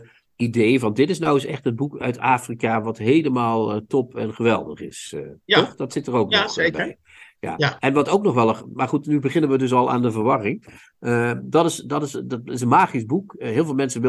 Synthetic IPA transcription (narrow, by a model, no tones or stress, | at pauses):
idejvɑndɪtɪsnawəsɛ̰χtən̚bukœ̰ɥtaːfrikaʋɑtɦejləmaːlˠtɔpʰɛnχəʋɛlˠdəχɪsɔχd̥ɑtsɪtərowk̚nbj | ja̰ːɛnʋɑtowk̚nɔχʋɛlˠəmaːɹχutnybəχɪnənʋədɵs̬ɑlˠa̰ːndəvəɹʋɑrɪŋ | ədɑtɪsdɑtɪsɪs̬ənmaːχizbukɦɪːlˠvɪːlˠmɛnsəʋɪ